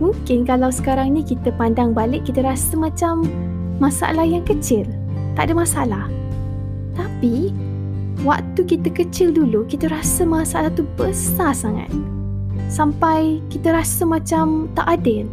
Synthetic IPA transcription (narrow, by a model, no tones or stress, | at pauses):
muŋkɪnkalawsə̥kaɾaŋɲakit̪əpandaŋbalɪʔkːit̪əɾasəmat͡ʃamː | asaa̰lahjaŋkət͡ʃɪl | t̪aʔdəmasaalah | t̪api | wak̚t̪ukit̪əkət͡ʃɪldulukit̪əɾasəmasaalaht̪ubəsasaŋa̰t̪̚ | sampajkit̪əɾasəmat͡ʃamt̪aʔadɪl